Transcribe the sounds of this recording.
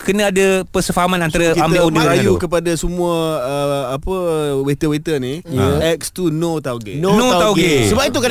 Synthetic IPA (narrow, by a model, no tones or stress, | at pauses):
kənə̃adapərsəfaɦamãnant̪aɾakiamb̪audəɾajukəpadasəmũaəːpəwet̪əwet̪əniɛk̚st̪unot̪aɡenonõaɡesəbap̚it̪uka